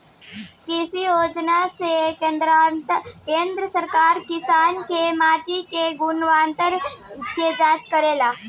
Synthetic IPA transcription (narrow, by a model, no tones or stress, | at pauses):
kisijoːd͡ʒnased̪ɾ | kẽːnd̪ɾəsəɾkaːɾkɪsaːnkemaːʈikeɡunʋaːnt̪əɾked͡ʒaːd͡ʒkəɾela